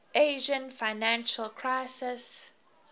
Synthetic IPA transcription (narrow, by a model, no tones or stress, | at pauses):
ʔeʒə̃nfaɪnãnʃəlkʰɹaɪsɪs